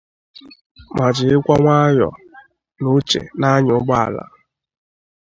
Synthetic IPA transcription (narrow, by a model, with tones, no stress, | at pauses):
ma˨d͡ʒɪ˨ɪ˦kʷa˦ŋʷa˦jɔ̰˨ | nʊ˦t͡ʃḛ˨na˦ɲʊ˨˦ɡ͡ba˦a̰˨la̰˦